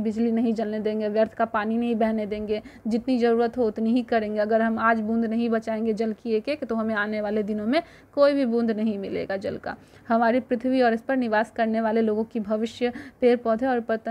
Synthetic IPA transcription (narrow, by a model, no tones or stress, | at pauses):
bɪd͡ʒlinɐɦĩd͡ʒɐlned̪ẽːŋɡeʋjəɾt̪ʰkapaːninɐɦĩbɛɦned̪ẽːŋɡed͡ʒɪt̪nid͡ʒɐɾuːɾət̪ɦoʊt̪niɦikɐɾẽːŋɡeɐɡəɾɦɐmaːd͡ʒbũːnd̪ʱnɐɦĩbɐt͡ʃaːẽːŋɡed͡ʒɐlkieːkeːkt̪oɦɐmẽaːneʋaːled̪ɪnõmẽ | koːibʱibũːnd̪ʱnɐɦĩmɪlḛːɡad͡ʒɐ̰lka̰ː | hɐmaːɾipɾɪt̪ʰʋiɔːɾɪspɐɾnɪʋaːskɐɾneʋaːleloːɡõkibʱɐʋɪʃjəpeːɾpɔːd̪ʱeɔːɾpɐt̪